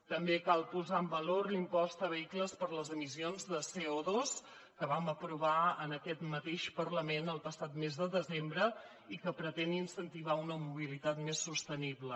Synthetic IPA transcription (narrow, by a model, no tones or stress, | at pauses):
t̪əmbekalˠpuzaəmbəloɾlimpɔst̪əβəikləspəɾləzəmisionzðəseoðos | kəβaməpɾuβaənəkɛt̪mət̪eʃpərləmenəlˠpəsat̪mezðəðəzembɾə | ikəpɾət̪ɛninsənt̪iβ̞aunəmuβilit̪at̪mesːust̪əniβlə